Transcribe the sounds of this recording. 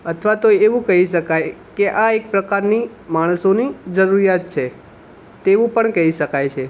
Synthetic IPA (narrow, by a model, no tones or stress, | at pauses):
ət̪ʰʋat̪oeʋũkəɦiʃəkajkeʔaek̚pɾəkaɾni | maɽ̃əsonid͡ʒəɾuɾijat̪̚t͡ʃʰe | t̪eʋũpəɳkəɦiʃəkajt͡ʃʰe